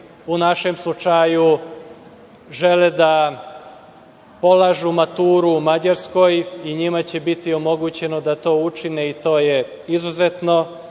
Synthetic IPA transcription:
unaʃemslˠut͡ʃaju | ʒe̞led̪a | po̞laːʒumat̪uːɾuːmad͡ʑaɾsko̞jiɲimat͡ɕebit̪io̞mo̞ɡut͡ɕe̞nod̪at̪o̞ːut͡ʃineit̪o̞ːje | izuzet̪no̞

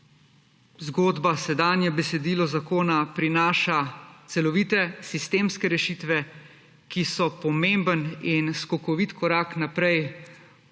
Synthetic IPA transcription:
zɡoːd̪basɛd̪aːnjɛbɛsɛd̪iːlɔzakoːnapɾinaːʃat̪sɛlɔʋiːt̪ɛsist̪eːmskɛɾɛʃiːt̪ʋɛ | kisɔpɔmembəninskɔkɔʋit̪kʰɔɾaːknapɾɛj

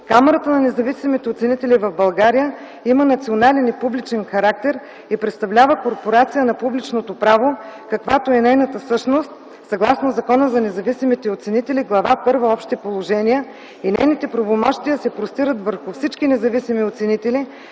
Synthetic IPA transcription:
kamɛɾət̪ənɐnɛzɐvisimit̪ɛot̪sɛnit̪ɛlivɐvbɐlˠɡaɾijə | imənɐt̪sionalɛnipublit͡ʃɛnxɐɾak̚t̪ɛɾ | ipɾɛt̪st̪ɐvlʲavəkoɾpoɾat̪sijənɐpublit͡ʃnot̪opɾavokɐkvat̪oɛnɛjnət̪əfsɤʃnost̪ | sɐɡlˠasnozɐkɔnəzɐnɛzɐvisimit̪ɛot̪sɛnit̪ɛliɡlˠɐvapɤɾvəɔpʃt̪ipolˠoʒɛniə | inɛ̰jnit̪ɛpɾɐvomɔʃt̪iəsɛpɾost̪iɾət̪vəɾxʊfsit͡ʃkinɛzɐvisimiot̪sɛnit̪ɛli

